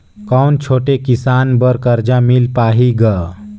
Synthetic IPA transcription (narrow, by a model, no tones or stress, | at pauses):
kawnt͡ʃʰoːʈekisanbəɾkəɾd͡ʒamilpaːɦiɡə